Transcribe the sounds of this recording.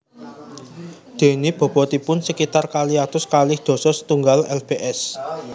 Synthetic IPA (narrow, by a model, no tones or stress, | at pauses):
d̪̥e̤nib̥ɔ̤b̥ɔ̤t̪ipʊnsəkit̪arkaliat̪ʊskalɪhd̪̥ɔ̤sɔsə̥t̪uŋɡalɛlb̥eʔɛs